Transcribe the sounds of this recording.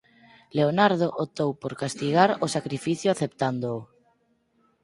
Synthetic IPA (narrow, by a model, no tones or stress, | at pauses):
leonaɾð̞oʔot̪owpoɾkast̪iɣaɾosakɾifiθjʊaθept̪and̪oː